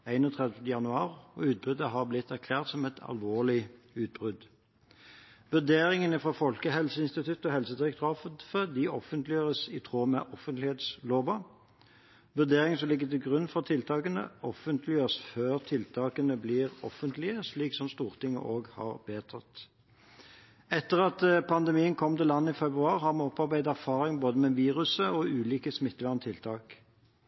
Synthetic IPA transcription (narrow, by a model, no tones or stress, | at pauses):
æɪnɔt̪ʰʁɛd̪ət̪əjɑnʉɑːʁɔ̰ʉːt̪̚bʉd̪əɦɑʁblɪt̪ːæʁkʰlæːʁt̪sɔmɛt̪ʰɑ̰lʋoːʁlɪ | ʉːt̪̚bʁʏd̪ | ʋʉʁd̪eːʁɪŋənəfʁɑfɔlkəɦɛlsəɪnst̪ɪt̪ʰʉt̪ːɔɦɛlsəd̪ɪʁɛk̚t̪ʰɾɑːfət̪fəd̪iɔfənt̪lɪjøːʁəsit̪ʰʁoːmɛ̰ʔɔfənt̪lɪheːt̪sloːbɑ | ʋʉʁd̪eːʁɪŋsɔmlɪɡːət̪ɪlɡʁʉnːfɔʁt̪ʰɪlt̪ʰɑːkənə̰ɔfənt̪lɪjøːʁəsføːʁt̪ʰɪlt̪ʰɑːkənəbliːʁɔ̰fənt̪lɪəsliːksɔmst̪uːʁt̪ɪŋːə̰ʔoːɡhɑ̰ːʁbeːt̪ʰɑt̪ | ɛt̪ːəʁɑt̪pʰɑnd̪ɛmiːənkʰɔmːt̪ɪlːɑnːəɪfɛbʁʉɑːʁhɑʁmɛɔpːɑʁbæɪd̪æʁfɑːʁɪŋboːd̪əmɛʋiːʁʉsəɔʔʉːliːkəsmɪt̪ːʋæʁnət̪ʰɪlt̪ʰɑːk